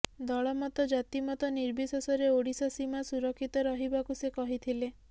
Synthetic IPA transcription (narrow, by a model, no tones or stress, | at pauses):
d̪ɔɭɔmɔt̪ɔd͡ʒat̪imɔt̪ɔniɾbisɔsɔɾeoɽisɔsimasuɾɔkʰːit̪ɔɾɔɦibakusekɔɦit̪ʰile